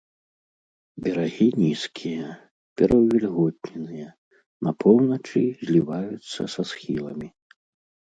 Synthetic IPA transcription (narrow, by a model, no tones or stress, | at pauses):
bʲɛɾaɣʲinʲiskʲʰijɛ | pʲɛɾʔɐwvʲɛlʲɣɔt̪ʲnʲɛnɨjɛ | nɐpʰɔwnɐt͡ʂɨzʲlʲivajut̪sːɐ̰sɐsxʲilˠɐmʲi